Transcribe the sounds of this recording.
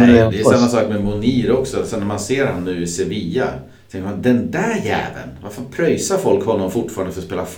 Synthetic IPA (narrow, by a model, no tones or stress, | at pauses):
d̪ɛjsamːasɑːkmɛmʊniːɾɔksɔsɛnːæmanseːɾhanːʉ̟ːɪsɛviːa | t̪ʰɛ̃ŋkəmand̪ɛnd̪æɾjæ̰ːvə̰nvaɾfəpʰɾœjsaɾfɔlkhɔnːɔmfʊʈfɑːɾand̪əfœɾɔspeːlaf